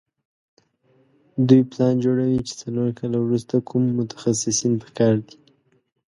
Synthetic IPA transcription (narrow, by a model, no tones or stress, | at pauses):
d̪ujplɑnd͡ʒoɽawit͡ʃe̥t͡saloɾkɑlawɾust̪akʰumːʊt̪ḁxasɪsinpə̥kɑɾd̪i̥